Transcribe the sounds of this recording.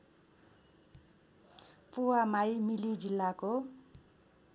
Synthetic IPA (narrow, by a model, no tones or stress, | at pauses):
puwamajmilid͡zilːako